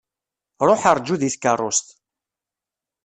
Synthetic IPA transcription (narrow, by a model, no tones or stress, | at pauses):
ɾˤoħaɾˤd͡ʒːuðiθkərˤːost̪